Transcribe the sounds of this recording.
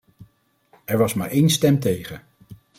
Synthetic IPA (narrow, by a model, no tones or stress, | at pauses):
ɛɹʋɑsma̰ːɹʔejnstɛmtejχən